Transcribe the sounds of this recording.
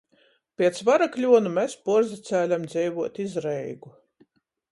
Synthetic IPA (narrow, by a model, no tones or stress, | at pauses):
pʲiɛt̪svaɾaklʲuɔnumʲespuɾzit̪sæːlʲamd̪zʲɛjvuɔt̪izɾɛjɡu